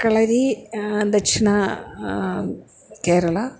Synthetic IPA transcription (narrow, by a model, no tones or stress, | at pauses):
kɐɭɐɾid̪ɐkʂinɐ | keːɾɐɭɐ